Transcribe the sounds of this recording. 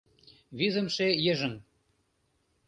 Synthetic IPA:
βizə̆mʃejəʒə̆ŋ

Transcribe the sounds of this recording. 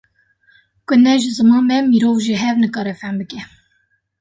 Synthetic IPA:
kʊnɛʒɪzɨmɑːnmɛmiɾoːvʒiɦɛvnɨkɑːɾɛfæmbɨkɛ

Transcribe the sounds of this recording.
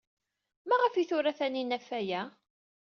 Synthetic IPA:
mæʁəfiθʊɾaθæninæfːæjæ

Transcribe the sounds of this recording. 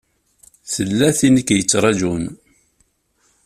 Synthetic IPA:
θəlːæθinəkːjət͡sːɾˤɑd͡ʒun

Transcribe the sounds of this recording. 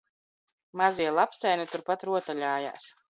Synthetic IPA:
maziɛlˠapsɛjnɛt̪uɾpat̪ɾuɔt̪aʎʲaːja̰ːs

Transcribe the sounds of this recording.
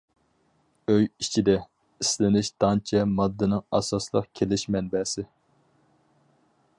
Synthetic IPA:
øjit͡ʃʰid̪ɛ | islɪnɪʃd̪̥ɑnt͡ʃʰɛmɑd̪ːɨnɪŋɑsɑslˠəqkʲʰelɪʃmɛnbɛsɪ

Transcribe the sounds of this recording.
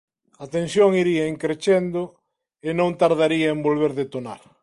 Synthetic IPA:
at̪ẽnsjoŋiɾiɐeŋkɾet͡ʃend̪ʊ | ɪnõŋt̪aɾðaɾiɐembolβ̞eɾðet̪ona̰ɾ

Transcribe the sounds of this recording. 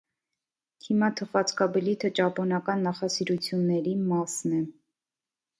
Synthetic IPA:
k̪ʰimɑt̪ʰəχɑt͡skɑblit̪ʰət͡ʃɑpɔnɑkɑnːɑχɑsiɾut͡sʰjunːɛɾimɑsnɛ

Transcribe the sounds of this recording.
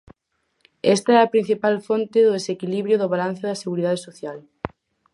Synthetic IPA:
ɛst̪aɛɐpɾĩn̟θipalfont̪ɪðoðesekiliβɾjʊðʊβalan̟θʊðɐseɣuɾiðaðesoθjal

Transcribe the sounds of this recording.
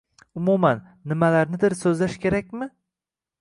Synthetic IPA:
ʊmumanːɪmalaɾnɪd̪ɪɾsɵzlaʃkʲʰe̞ɾakʲmɪ

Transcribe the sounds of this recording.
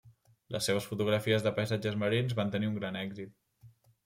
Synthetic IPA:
lə̰sːeβ̞əsfut̪uɣɾəfiəzðəpəjzad͡ʒəzməɾinzβant̪əniuŋɡɾanɛɡzit̪̚

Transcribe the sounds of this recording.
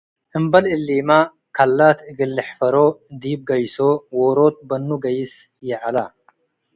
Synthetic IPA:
ʔɨmbɐlɨlːiːma | kʰalːat̪ɨɡɨlːɨħfɐɾod̪ib̚ɡɐjsowoɾot̪̚bɐnːuɡɐjɪs | jɛʕala

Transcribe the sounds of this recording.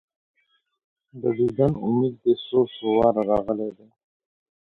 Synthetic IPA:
d̪əd̪id̪anṵmiːd̪̚ːesoːsʊwɑːɾɾɑɣəled̪eː

